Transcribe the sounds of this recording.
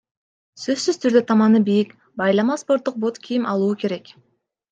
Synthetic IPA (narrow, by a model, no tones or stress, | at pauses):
sø̞zːyz̥t̪ʰyɾd̪øt̪ʰɑmɑnɯbijik | bɑjlˠɑmɑspo̞ɾt̪ːuq̚bo̞t̪kʲʰijimɑlˠuːke̞ɾe̞k